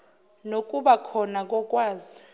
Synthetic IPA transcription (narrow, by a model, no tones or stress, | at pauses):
nok̬ʼuɓakʰɔnak̬ʼɔk̬ʼwaːzi